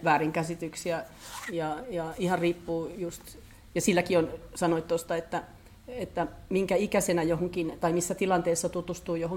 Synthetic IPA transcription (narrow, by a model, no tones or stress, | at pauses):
ʋæːriŋkæsit̪yksiæjɑjɑihɑrriːpːuːjust̪ | jɑsilːækionsɑnoit̪t̪ost̪ɑet̪ːæ | et̪ːæmiŋkæikæsenæjohoŋkint̪ɑimisːæt̪ilɑnt̪eːsːɑt̪ut̪ust̪uːjohoŋ